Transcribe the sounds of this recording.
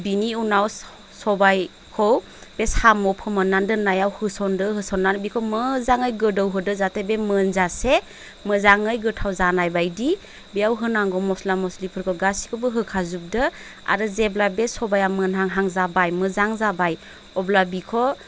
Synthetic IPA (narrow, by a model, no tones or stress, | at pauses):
biniunaw | sɔbaj | kʰɔw | beshamɔpʰɯmɯnːandɯnajawhɯsɔndɯɦɯsɔnːanbikʰɔmɯzaŋɯjɡɯdɔwɦɯdɯzatʰebemɯnzase | mɯzaŋɯjɡɯtʰawzanajbajdi | biawɦɯnaŋɡɔmɔslamɔslipʰɯɾkʰɔɡasi̥kʰɯbɯɦɯkʰazup̚dɯ | a̰ɾɯzeblabesɔbajamɯnɦaŋɦaŋzabajmɯzaŋzabaj | ɔblabikʰɔ